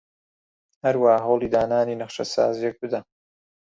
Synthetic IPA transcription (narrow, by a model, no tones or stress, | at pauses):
hɐɾwaːhaɦowlˠiːd̪aːnaːniːnɐχʃɐsa̰ːzijɛk̚bɨd̪ɐ